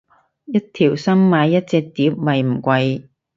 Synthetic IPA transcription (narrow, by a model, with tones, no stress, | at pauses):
jɐ˥t̚t̪ʰiː˨˩wsɐ˥mmaː˨˧jːɐ˥t̚t͡sɛː˧k̚t̪iː˨˥p̚mɐ˨jm̩˨˩kʷɐ˧j